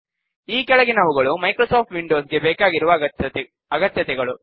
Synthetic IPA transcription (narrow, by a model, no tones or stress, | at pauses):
iːkɛɭɐɣɪnɐʋɯɣɐɭumɐɪkɾosoːʈʋiɳɖoːsɡebeːkaːɡɪɾɯʋɐ | ɐɣɐt̪jɐt̪ɛɣɐɭu